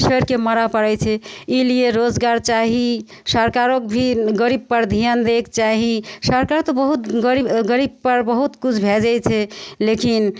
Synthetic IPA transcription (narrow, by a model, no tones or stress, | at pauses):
səɾkeməɾapəɽɛt͡ʃʰɛilieɾod͡ʒɡaɾt͡ʃaɦi | səɾkaɾokbʱiɡəɾib̚pəɾd̪ʱijand̪ekt͡ʃaɦisəɾkaɾt̪obəɦut̪ɡɾibɡəɾib̚pəɾbəɦut̪kut͡ʃʰbʱed͡ʒɛjt͡ʃʰɛlekin